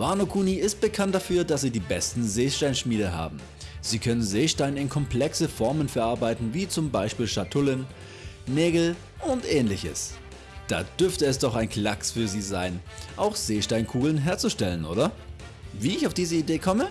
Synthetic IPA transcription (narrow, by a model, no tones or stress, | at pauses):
v̥aɐnokʰuːniɪst̚b̥əkʰant̚d̥afyːɐdasz̥iːdiːbɛstn̩zeːʃtaɪnʃmiːɾəɦa̰ːbm̩ | z̥iːkʰœnənzeːʃtaɪnəɪnkʰɔmpl̥ɛksəfɔɐmənfɛɐʔaɐbaɪtn̩viːt͡sʊmbaɪʃpiːlʃatʰʊlənː | ɛːɡl̩ | ʔʊntʔɛːnlɪçə̰s | d̥a̰ːd̥ʏɐftəɛsd̥ɔχaɪnkʰl̥aksfyːɐziːzaɪnʔaʊxz̥eːʃtaɪnkʰuːɡl̩nɦeːɐt͡suʃtɛlənʔo̰ːɾɐ | viːɪçaʊfd̥iːzəideːkʰɔmə